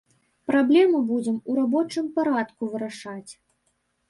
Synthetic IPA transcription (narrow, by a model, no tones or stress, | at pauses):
pɾablʲɛmɨbud͡zʲɛmuɾabɔt͡ʂɨmpaɾat̪kuvɨɾaʂat͡sʲ